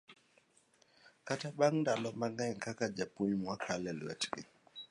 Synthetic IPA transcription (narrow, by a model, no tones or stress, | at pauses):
kataɓaŋndalɔmaŋaŋkakad͡ʒapuɲmwakʰalɛl̰ɛ̰tɡḭ